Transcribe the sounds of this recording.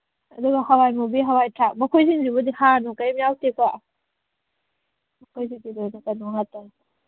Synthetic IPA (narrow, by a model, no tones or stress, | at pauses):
ɐduɡɐhɐwajmubiɦɐwajtʰak̚mɐkʰojziŋzibudihanukɐjmijawteka | mɐkʰojzidilojnɐkɐnɔɦata